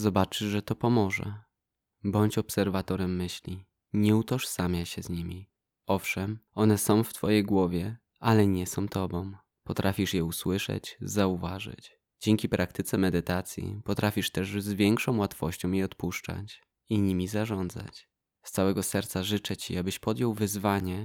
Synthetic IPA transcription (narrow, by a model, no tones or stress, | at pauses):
zɔbat͡ʂɘʐʐɛt̪ɔpɔmɔʐɛ̰ | bɔɲt͡ɕɔpsɛɾvat̪ɔɾɛmːɘɕlʲi | ɲɛut̪ɔʂsamʲjaɕɛzɲimʲi | ɔfʂɛmɔnɛsɔ̃w̃ft̪fɔjejɡwɔvʲjɛ | alɛɲɛsɔ̃w̃t̪ɔbɔ̃w̃ | pɔt̪ɾʔafʲiʂjɛuswɘʂɛ̰t͡ɕzauvaʐɘ̰t͡ɕ | d͡ʑɛŋkʲipɾʔak̚t̪ɘt̪sɛmɛd̪ɘt̪at̪sʲjḭpɔt̪ɾʔafʲiʂt̪ɛʐzvʲjɛŋkʂɔ̃w̃wat̪fɔɕt͡ɕɔ̃w̃jiɔt̪puʂt͡ʂa̰t͡ɕ | iɲimʲizaʐɔnd̪za̰t͡ɕ | st̪sawɛɡɔsɛɾt̪saʐɘt͡ʂɛt͡ɕiabɘɕpɔd̪jɔwvɘzvaɲɛ